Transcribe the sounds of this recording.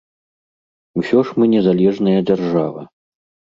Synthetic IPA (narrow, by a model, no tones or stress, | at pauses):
usʲɔʂmɨnʲɛzalʲɛʐnɐjɐd͡zʲarʐavɐ̰